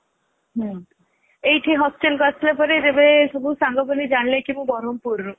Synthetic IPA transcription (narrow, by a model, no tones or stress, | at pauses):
ɦɔ̃ | ejʈʰiɦɔsʈelkɔtʰlepɔɾet̪ebesɔbʱusaŋɡʱɔbɔnid͡ʒaɳlẽkimũbɔɾompuɾ